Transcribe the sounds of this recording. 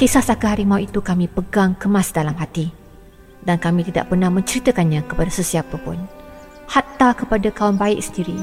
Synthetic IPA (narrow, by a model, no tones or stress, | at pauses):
kesasakəɦaɾimawit̪ukamĩpəɡaŋkəmãsdalamɦat̪i | dankamĩt̪ida̰ʔpərnahmə̃ɲt͡ʃəɾit̪əkanɲãkəpadasəsiapəpʊ̰n | hat̪akəpadakaʊnbaɪʔsəndiɾi